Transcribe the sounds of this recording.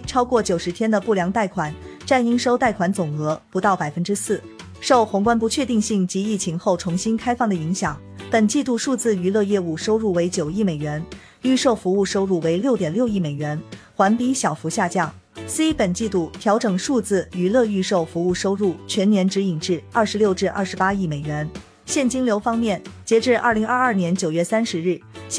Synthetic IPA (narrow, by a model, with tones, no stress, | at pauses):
ʈ͡ʂʰɑ˥ʊkwɔ˥˩t͡ɕjo˨˩ʊʂɻ̩˧˥t̪ʰjɛ˥nd̪ə˨pu˥˩ljɑ˧˥ŋt̪a˥˩ɪkʰwa˨˩˦nʈ͡ʂa˥˩ni˥ŋʂo˥ʊt̪a˥˩ɪkʰwa˧˥nt͡sʊ˨˩ŋɤ˧˥pu˧˥t̪ɑ˥˩ʊpa˨˩ɪfə˥nʈ͡ʂɻ̩˥sɹ̩˥˩ | ʂo˥˩ʊxʊ˧˥ŋkwa˥np̬u˧t͡ɕʰɥɛ˥˧t̪i˥˧ŋɕi˥˩ŋt͡ɕi˧˥i˥˩t͡ɕʰi˧˥ŋxo˥˩ʊʈ͡ʂʰʊ˧˥ŋɕi˥nkʰa˥ɪfɑ˥˩ŋd̪ə˩i˧˥ŋɕjɑ˨˩˦ŋ | pə˨˩nt͡ɕi˥˧t̪u˥˧ʂu˥˧t͡sɹ̩˥˩y˧˥lɤ˥˧jɛ˥˧u˥˩ʂo˥ʊɻu˥˩we˧˥ɪt͡ɕjo˨˩ʊi˥˩me˨˩ɪɥɛ˧˥n | y˥˧ʂo˥˩ʊfu˧˥u˥˧ʂo˥ʊɻu˥˩we˧˥ɪljo˥˩ʊt̪jɛ˨˩nljo˥˧ʊi˥˩me˨˩ɪɥɛ˧˥nxwa˧˥npi˧˥ɕjɑ˨˩ʊfu˧˥ɕja˥˧t͡ɕjɑ˥˩ŋ | si˥pə˨˩nt͡ɕi˥˧t̪u˥˩t̪ʰjɑ˧˥ʊʈ͡ʂɤ˨˩ŋʂu˥˧t͡sɹ̩˥˩y˧˥lɤ˥˧y˥˧ʂo˥˩ʊfu˧˥u˥˩ʂo˥ʊɻu˥˩t͡ɕʰɥɛ˧˥nnjɛ˧˥nʈ͡ʂɻ̩˧˥i˨˩ŋʈ͡ʂɻ̩˥˩ɐ˥˩ʂɻ̩˧˥ljo˥˧ʊʈ͡ʂɻ̩˥˧ʔɐ̰˥˩ʂ̩˧˥pa˥i˥˩me˨˩ɪɥɛ˧˥n | ɕjɛ˥˩nt͡ɕi˥ŋljo˧˥ʊfɑ˥ŋmjɛ˥˩nt͡ɕjɛ˧˥ʈ͡ʂɻ̩˥˧ʔɐ̰˥˩li˧˥ŋɐ˥˧ɐ˥˩njɛ˧˥nt͡ɕjo˨˩ʊɥɛ˥˩sa˥nʂɻ̩˧˥ɻɻ̩˥˩